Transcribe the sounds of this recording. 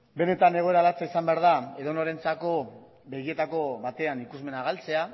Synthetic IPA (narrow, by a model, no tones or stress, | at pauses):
be̞ne̞t̪ane̞ɣo̞e̞ɾalat͡saisambe̞aɾðae̞ðo̞noɾe̞nt͡sako̞ | be̞ɣie̞t̪ako̞βat̪e̞anikuzme̞naɣalt͡se̞a